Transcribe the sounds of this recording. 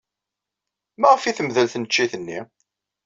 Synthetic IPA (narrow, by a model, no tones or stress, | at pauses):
mæʁəfiθəmðəlθnət͡ʃːiθənːi